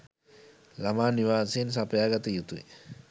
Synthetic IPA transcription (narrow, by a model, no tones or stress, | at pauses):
lamaːniʋaːseːns̬apəjaːɡat̪əjut̪uḛ